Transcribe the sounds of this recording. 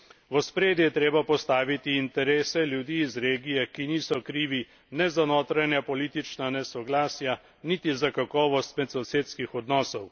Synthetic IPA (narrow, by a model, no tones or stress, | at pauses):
ʋɔspɾeːd̪jɛt̪ɾeːbapɔst̪aːʋit̪iːnt̪ɛɾeːsɛljud̪iːzɾeːɡijɛkiniːsɔkɾiːʋi | nɛzanoːt̪ɾajnjapɔliːt̪it͡ʃnanɛsɔɡlaːsja | nit̪izakakɔːʋɔst̪mɛt̪sɔseːt̪skixɔd̪nɔːsɔw